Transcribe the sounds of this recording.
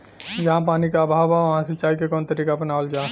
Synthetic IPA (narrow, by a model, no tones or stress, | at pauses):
jɐɦãpaːnikaːbʱaːbaʋɐɦãset͡ʃaːikekɔːnt̪ɐɾiːkapɐnaːld͡ʒaː